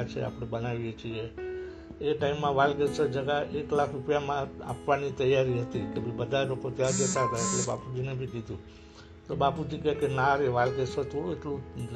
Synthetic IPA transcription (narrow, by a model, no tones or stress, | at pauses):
t͡ʃʰḛa̰pɽebənaʋijet͡ʃʰie | eʈaimːãʋalɡesod͡ʒəɡaʔeklakʰɾupjamãa̰pʋanit̪əjːaɾiɦət̪ikebʱibəd̪ʱalokot̪jaɾd͡ʒət̪aɦət̪aeʈleba̰pud͡ʒinebʱikid̪ʱũ | t̪obapud͡ʒikɛkenaɾeʋalɡesot̪ʰoueʈlũ